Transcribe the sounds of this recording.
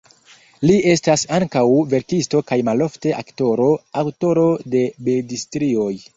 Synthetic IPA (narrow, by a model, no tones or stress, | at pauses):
lie̞stasaŋkawve̞ɾkisto̞kajmalo̞fte̞ʔakto̞ɾo̞awto̞ɾo̞de̞bedistɾio̞j